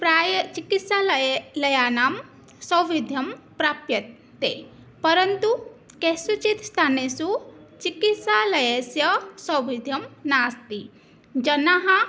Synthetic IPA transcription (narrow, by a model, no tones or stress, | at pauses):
pɾaːjɐt͡ʃikit̪salɐjanaːm | sɐwʋid̪ʱjɐmpɾaːpjɐt̪ | t̪ːe | pɐɾənt̪u | kesut͡ʃit̪st̪ʰaːnesut͡ʃikit̪salɐjɐsjɐsɐwʋid̪ʱjɐmnaːst̪i | d͡ʒɐnaɦã